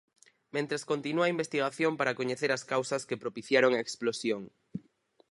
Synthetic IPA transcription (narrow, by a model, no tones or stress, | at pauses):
mẽnt̪ɾeskont̪inuaimbest̪iɣ̞aθjompaɾakoɲeθeɾaskawsɐskepɾopiθjaɾoŋaeksplosjoŋ